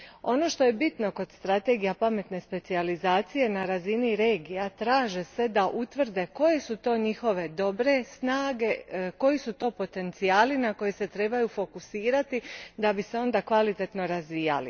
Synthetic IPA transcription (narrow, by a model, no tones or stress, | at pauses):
o̞no̞ʃt̪o̞je̞bit̪no̞ko̞d̪̥st̪ɾat̪e̞ɡijapame̞t̪ne̞spe̞t̪sializaːt̪sije̞naɾaziniɾe̞ːɡijat̪ɾaːʒese̞d̪aʔut̪ʋr̩d̪e̞ko̞jesut̪o̞ːɲixo̞ʋe̞d̪o̞bɾe̞snaːɡe̞ko̞jisut̪o̞ːpo̞t̪e̞nt̪sijaːlinako̞jese̞t̪ɾe̞bajufo̞kusiːɾat̪id̪abise̞o̞nd̪akʋalit̪e̞t̪no̞ɾazʋija̰lḭ